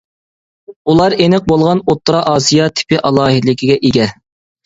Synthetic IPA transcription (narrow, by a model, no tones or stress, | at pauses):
ulˠɑɾenɪq̚bolˠʁɑnot̪ːɾɑʔɑːsijɑt̪ʰɪ̥pɪʔɑlˠɑːɦid̪lɪkʲʰiɡʲɛʔeɡʲɛ